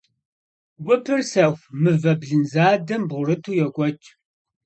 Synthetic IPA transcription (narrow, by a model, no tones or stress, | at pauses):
ɡʷʼʊpʰɨrsɐxʷmɨvɐbɮɨnzaːdɐmbʁʷʊrɨtʰuːjɛkʷʼɔt͡ʃʼ